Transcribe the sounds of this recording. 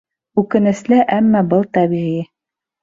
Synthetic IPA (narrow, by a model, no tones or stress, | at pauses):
ʉkɘ̆nɘ̆slɘʔæmːæbɤlˠt̪æβiʁi